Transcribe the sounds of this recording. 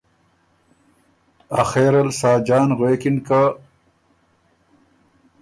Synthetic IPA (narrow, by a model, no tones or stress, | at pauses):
axeːɾɐlsaːd͡ʑaːnɣweːkinka